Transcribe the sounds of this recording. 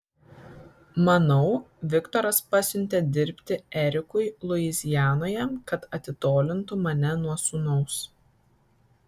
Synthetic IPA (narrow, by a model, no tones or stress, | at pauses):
mɐnɒʊ | ʋʲɪkt̪ɔɾɐspɐsʲʊnʲt̪ʲeːd̪ʲɪɾʲpʲt̪ʲɪɛɾʲɪkʊɪlˠʊɪzʲɪjæːnoːjɛkɐt̪ɐt̪ʲɪt̪oːlʲɪnt̪ʊmɐnʲɛnuɔsʊnɔʊs